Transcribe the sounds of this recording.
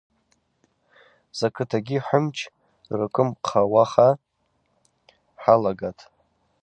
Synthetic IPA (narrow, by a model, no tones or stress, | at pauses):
z̥akʰɨtʰaɡʲiħʷʊmt͡ʃʰ | rɨkʷʼʊmqʰawaχa | ħalaɡatʰʼ